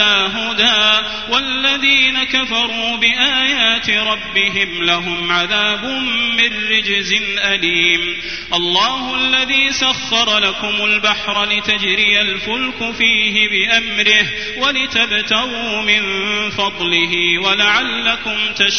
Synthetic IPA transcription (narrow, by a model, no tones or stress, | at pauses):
aːɦʊd̪aː | walːaðiːnakafɑɾˤuːbɪʔaːjaːt̪ɪɾˤɑbːɪɦɪmlaɦʊmʕaðaːbʊmːɪnːɪd͡ʒzɪnʔaliːm | ʔɑlˤːɑːhʊʔalːaðiːsaxːɑɾˤɑlakʊmʊlbaħɾˤlɪt̪ad͡ʒɾɪjalfʊlkʊfiːɦɪbɪʔamɾɪh | walɪt̪abt̪aɾuːmɪnfɑd̪ˤlɪɦiːwalaʕalːakʊmt̪aʃ